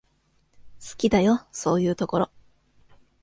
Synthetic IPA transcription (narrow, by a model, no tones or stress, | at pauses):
sɨ̥kʲid̪ajo̞so̞ːjɯ̟ːt̪o̞ko̞ɾo̞